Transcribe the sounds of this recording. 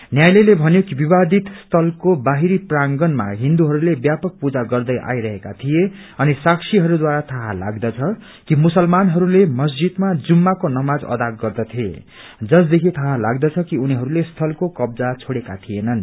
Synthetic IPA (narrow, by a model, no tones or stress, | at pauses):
njajlelebʱʌnjokibibad̪it̪st̪ʰʌlkobaɦiɾipraŋɡʌnma̰ɦind̪uɦʌɾulebjapʌk̚pud͡zaɡʌrd̪ʌjʔa̰jɾʌɦekat̪ʰije | ʌnisaksiɦʌɾud̪waɾat̪ʰaɦala̰ɡd̪ʌt͡sʰʌ | kimusʌlmanɦʌɾulemʌs̬d͡zid̪mad͡zumːakonʌmad͡zʌ̰d̪aɡɡʌrd̪ʌt̪ʰie | d͡zʌsd̪ekʰit̪ʰaɦalaɡd̪ʌt͡sʰʌkiuniɦʌɾulest̪ʰʌlkokʌb̚d͡zat͡sʰoɽekat̪ʰijenʌn